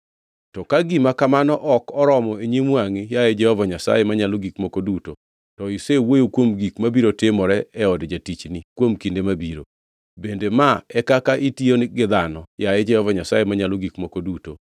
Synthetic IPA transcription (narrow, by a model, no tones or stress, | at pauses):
tɔkaɡimakamanɔʔɔkɔɾɔmɔeɲimwaŋɪjajed͡ʒɛhɔvaɲasa̰jemaɲaloɡikmokoduto | tɔisewojokwomɡikmabiɾotɪmɔɾɛɛɔdd͡ʒatit͡ʃnikwomkindemabiɾo̰ | bendemaɛkakaʔitionɪɡɪd̪anɔjajɛd͡ʒɛhɔvaɲasajemaɲaloɡikmokoduto